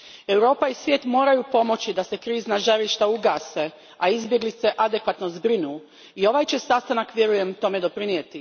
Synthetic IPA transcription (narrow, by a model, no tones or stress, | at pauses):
e̞wɾo̞ːpaisʋjeːt̪mo̞ːɾajupo̞mo̞t͡ɕid̪ase̞kɾiːznaʒaɾiʃt̪auɡaːse̞ | aizbjeɡlit̪se̞ʔad̪e̞kʋat̪no̞zbɾinuː | io̞ʋajt͡ɕesast̪anakʋʲje̞ɾuje̞mt̪o̞me̞d̪o̞pɾinjet̪i